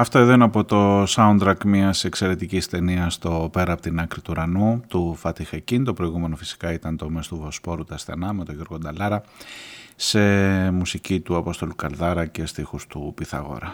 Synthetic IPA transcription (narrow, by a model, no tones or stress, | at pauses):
ɐft̪o̞eðo̞ineɐpo̞t̪o̞sɐunt̪ɾɐkmɲiɐse̞kse̞ɾe̞t̪icist̪e̞niɐst̪o̞pe̞ɾɐːpot̪inɐkɾit̪uɾɐnut̪ufɐt̪ixecint̪o̞pɾo̞iɣume̞nofi̥si̥kɐit̪ɐnt̪o̞mest̪uvo̞spo̞ɾut̪ɐsθe̞̰nɐme̞t̪o̞ʝoɾɣo̞d̪ɐlɐɾɐ | se̞musicit̪uɐpo̞st̪o̞lukɐlðɐɾɐce̞st̪ixust̪upiθɐ̰ɣo̞̰ɾɐ